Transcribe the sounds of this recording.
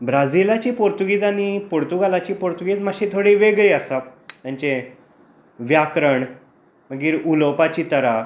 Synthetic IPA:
bɾad͡zilat͡ɕiːpoɾt̪uɡiːd͡zaɽ̃ipoɾt̪uɡalat͡ɕiːpoɾt̪uɡiːd͡zmaɕĩt̪ʰoɽiːʋeɡɭiːəsat̪jãɲt͡ɕe | ʋjakɾəɳ | məɡiːɾuləwpat͡ɕiːt̪əɾa

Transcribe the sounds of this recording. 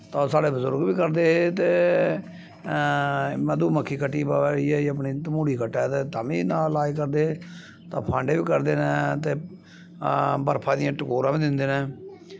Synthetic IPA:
t̪ãːsaːɽeːbəzʊɾɡʋiːkəɾd̪eːt̪eː | məd̪uːməkʰːiːkəʈːiːbaiːɛːəp̬ɳiːt̪əmũːɽiːkʰəʈːɛːt̪eːt̪aːʋĩːnaːlaːikəɾd̪eː | t̪ã̰ːpʰãːɳɖeːʋiːkəɾd̪eːneːt̪eː | bəɾpʰãːd̪ɪjãːʈəkoːɾãːʋĩːd̪ɪnd̪eːnɛː

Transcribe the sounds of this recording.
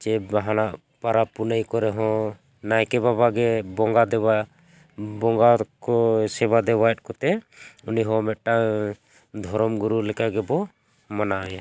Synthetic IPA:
t͡ʃɛbaɦanaʔ | paɾapunəjkɔɾɛɦɔ̃ | najkɛbabaɡɛbɔŋɡad̪ɛba | bɔŋɡakɔsɛbad̪ɛβajt̪̚kɔt̪ɛ | uniɦɔ̃mɛt̪̚ʈa | d̪ʱɔɾɔmɡuɾulɛkaɡɛbɔ | manaaja

